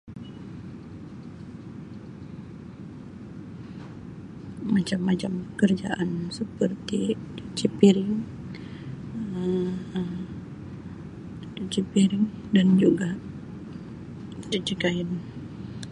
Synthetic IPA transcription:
mat͡ʃamːat͡ʃaməkərd͡ʒa̰ʔansəpərt̪it͡ʃipiɾɪŋ | ut͡ʃipiɾɪŋ | dand͡ʒuɡa | t͡ʃət͡ʃikajən

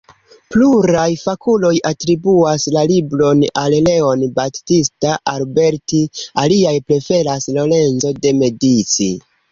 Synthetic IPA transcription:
pluɾajfakulo̞jatɾibuaslalibɾo̞nalle̞o̞nbatistaʔalbe̞ɾtialiajpɾe̞fe̞laslo̞le̞nzo̞de̞me̞dit͡sḭ

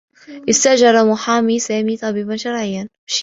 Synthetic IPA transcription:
ʔɪst̪aʔʒɑɾˤɑmʊħaːmisaːmit̪ˤɑbiːbanʃɑɾˤʕɪjːan | ʃ

